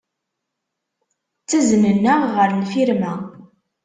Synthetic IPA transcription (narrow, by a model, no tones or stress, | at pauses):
t͡sːæznənːæʁʁəɾlfiɾmæ